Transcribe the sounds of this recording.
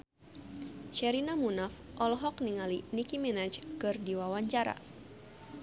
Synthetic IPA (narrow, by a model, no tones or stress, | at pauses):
ʃɛɾinamunafʔɔlɦɔkniŋalinikimɛnat͡ʃkɨrdiwawaɲt͡ʃaɾa̰